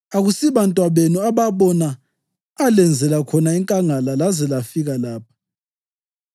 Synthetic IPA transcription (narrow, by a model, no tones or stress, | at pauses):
aɣusiβantʼwaβenuaβaβɔnaː | lɛnd͡zʱɛlakʰɔnaiŋkʼaŋalalazɛlafiɣalaːp̚ʰḁ